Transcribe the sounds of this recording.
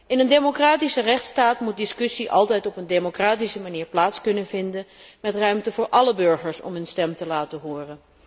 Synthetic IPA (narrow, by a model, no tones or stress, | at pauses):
ɪnəndemokraːtisərɛχtstaːtmut̚dɪskɵsiʔɑlˠtɛjtɔpəndemokraːtisəmaniːɹplaːtskɵnənvɪndənmɛtrœɥmtəvʊːɹʔɑləbɵɹχəɹsɔ̰mɦɵnstɛmtəlaːtəɦʊːrən